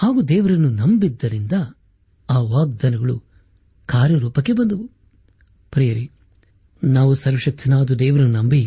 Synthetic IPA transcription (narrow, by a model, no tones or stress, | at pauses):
haːɡud̪ɛːʋɐɾɐnːunɐmbid̪ːɐɾind̪ɐ | aːʋaːɡ̚d̪ɐnɐɡɐɭu | kaːɾjɐɾuːpɐkːe̞bɐnd̪ɐʋu | pɾɛːjɐɾi | naːʋusɐɾʋɐʃɐk̚t̪ʰinaːd̪ud̪ɛːʋɐɾɐnːunɐmbi